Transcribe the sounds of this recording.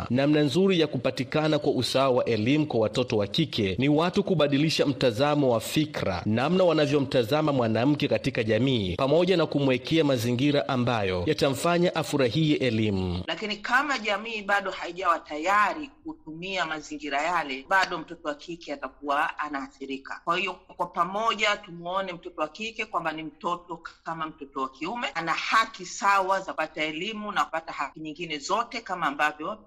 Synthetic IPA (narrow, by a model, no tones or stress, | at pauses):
namnanzuɾijakupatikanakwaʔusaawaʔɛlimukwawatɔtɔwakikʰɛniwatukuɓaɗiliʃam̩tazamɔwafikɾa̰namnawanavjɔm̩tazamamwanam̩kɛkatikaʄamiːpamɔʄanakumwɛkɛamaziŋɡiɾaʔambajɔjatam̩faɲaʔafuɾahijɛʔɛlimulakinikamaʄamiːɓaɗɔhaiʄawatajaɾik̚utumiamaziŋɡiɾajalɛɓaɗɔm̩tɔtɔwakʰikɛatakuwaanahaθiɾika̰kwahijɔkwapamɔʄatumɔnɛm̩tɔtɔwakikɛkwambanim̩tɔtɔkkamam̩tɔtɔwakiumɛʔanahakisawazapataɛlimunakupatahakiɲiŋɡinɛzɔtɛkamaːmbavjɔ